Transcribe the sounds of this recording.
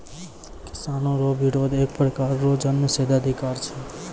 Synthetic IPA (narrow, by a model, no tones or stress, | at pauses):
kɪ̥sanoɾobʱiɾod̪ek̚pɾəkaɾːod͡ʒənməsed̪ad̪ʱikaɾt͡ʃʰe